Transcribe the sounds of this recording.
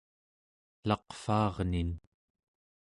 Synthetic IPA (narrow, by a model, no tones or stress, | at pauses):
lɑqfɑːʁnin